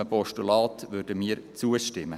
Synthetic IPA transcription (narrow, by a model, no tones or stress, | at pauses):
əpɔʃtulɑːt̪ʋøɾdəmiːəɾt͡suəʃtɪmːə